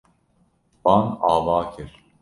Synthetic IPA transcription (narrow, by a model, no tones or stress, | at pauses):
b̥anaːvaːcʰiɾ̥